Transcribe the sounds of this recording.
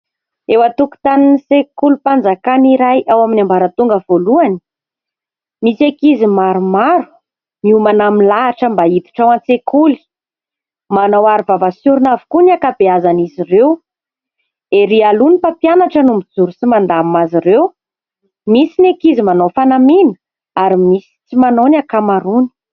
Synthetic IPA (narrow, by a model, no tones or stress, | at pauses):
ewat̪uku̥t̪aninisekulupand͡zakaniɾajʔawaminʲambaɾət̪uŋɡəv̥oluani̥ | misiekizimaɾumaɾu̥ | miumanamilaːʈ͡ʂəmbait̪u̥ʈ͡ʂawant͡sekuli̥ | manawaɾivavəsuɾunavu̥kuniakabeazanizirew | eɾialunipapjanaʈ͡ʂənumid͡zuɾusimand̪amazirew | misinekizimanowfanaminə̥ | aɾimisi̥t͡simanonakamaɾuni̥